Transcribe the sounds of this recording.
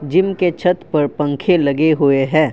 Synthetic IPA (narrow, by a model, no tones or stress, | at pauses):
d͡ʒɪmket͡ʃʰɐt̪pɐɾpɐ̃ŋkʰelɐɡeɦʊeɦɛ̃ː